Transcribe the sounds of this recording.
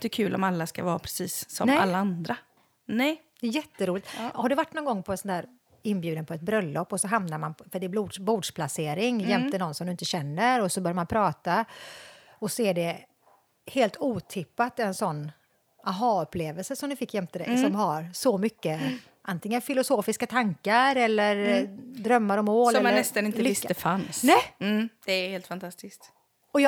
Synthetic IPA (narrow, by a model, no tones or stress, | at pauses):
d̪ɛkʰʉ̟ːlʔɔ̰malːaska̰vɑːapʰɾɛ̥siːsːɔmnalːaand̪ɾa | nɛd̪̥ɛɛjɛt̪ːəɾuːlɪt̪haɖɛvaʈːnɔːnɡɔŋːpʰɔɛnsɔnd̪æːɾ | ɪnbjʉ̟ːd̪ənpʰɔɛt̪̚bɾœlːɔpːɔsɔɦamnaɾmanfœɖɛbluːdbuːd̪ʂpʰlaseːɾɪŋjɛmt̪ənɔnsɔmd̪ɵɪnt̪əɕɛnːəɾɔsɔbœɾjamanpʰɾɑːt̪a | ɔsɔɛɖɛ | heːlt̪uːt̪ʰɪpːat̪ɛnsɔnː | ʔaɦɑːɵpːleːvəlsəsɔmnɪfɪkːjɛmt̪ʰəd̪ɛ̰sɔmɦaɾsɔmʏkːə | ʔant̪ɪŋːənfɪlʊsoːfɪskat̪ʰaŋkaɾɛlːəɾd̪ɾœmːaɾɔmoːɾɛmanɛst̪anɪnt̪əɪt̪ːd̪ɛfansnɛj̩d̪̥ɛæheːlt̪fant̪ʰast̪ɪskt̪ | ɔj